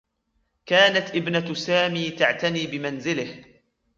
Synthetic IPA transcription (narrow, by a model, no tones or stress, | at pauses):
kaːnat̪ʔɪbnasaːmiːt̪aʕt̪aniːbɪmanzɪlɪh